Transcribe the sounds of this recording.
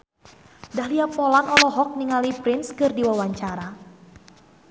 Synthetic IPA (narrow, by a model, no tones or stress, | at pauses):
dahliapɔlanɔlɔɦɔk̚niŋalipɾɪnskɨrdiwawaɲt͡ʃaɾa